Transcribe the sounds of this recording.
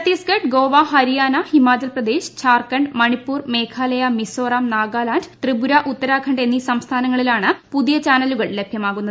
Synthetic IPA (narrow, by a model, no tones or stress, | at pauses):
t̪ːiskɐʈɡo̞ːʋaɦɐɾijaːnɐhimaːt͡ɕɐlprɐd̪e̞ːɕt͡ɕʰaːrkɐɳɖmɐɳipːuːrme̞ːkʰaːlɐjɐmisoːraːmnaːɡaːlaːndt̪rɨbuɾɐʔut̪ːɐɾaːkʰɐɳɖe̞nːisɐmst̪ʰaːnɐŋːɐɭilaːɳɨpuðijɐt͡ɕaːnɐluɣɐɭle̞bʱjɐmaːɣunːɐ